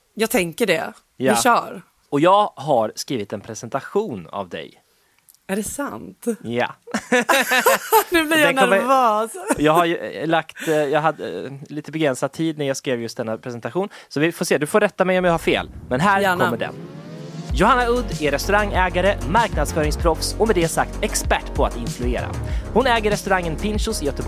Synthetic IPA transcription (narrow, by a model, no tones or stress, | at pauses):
jɑːɡ̚t̪ʰɛŋkəɖɛ̰ | jɕœːɾ | ɔjɑːɡɦaɾskɾiːvɪt̪ɛnpʰɾɛsɛnt̪aɧuːna̰vd̪ɛ̰j | æɖɛsant̪ja̰ | nʉblɪɾjnæɔɾvɔːsjɑːɡɦajlakt̪jɑːɡɦad̪ɛ̰liːt̪əbɛɡɾɛnsad̪̚t̪ʰiːd̪næɾjaːɡskɾeːvjɵst̪̚d̪ɛnːapʰɾɛsɛnt̪aɧuːn | sɔvɪfoːʂeːd̪ɵfoːɾɛt̪ːamɛjɔmjaːhaɾfḛːlmɛnɦæːɾk̪ɔːəɖɛ̰n | jʊhanːaɵd̪ːɛɾɛst̪ɵɾaŋːɛːɡaɾəmaɾknad̪sfœːɾɪŋspʰɾɔfsɔmɛd̪ɛsak̚t̪ɛkspæʈːpʰɔa̰t̪ɪnflɵeːɾa̰hʊnɛːɡəɾːɛst̪ɵɾaŋːənpʰɪnɕʊsɪjœt̪əb